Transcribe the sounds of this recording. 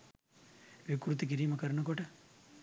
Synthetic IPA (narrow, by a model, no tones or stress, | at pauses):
ʋikɾut̪ik̬iɾiːmɐkɐɾɳɐkoʈɐ